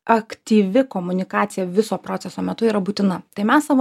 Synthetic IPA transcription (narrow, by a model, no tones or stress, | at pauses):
ɐkt̪ʲiːʋʲɪkoːmʊnʲɪkɑːt̪sʲɪjɛʋʲɪsoːpɾoːt̪sʲɛsoːmʲɛt̪ʊiːɾɐbuːt̪ʲɪnɐt̪ɐɪmʲɛssɐʋo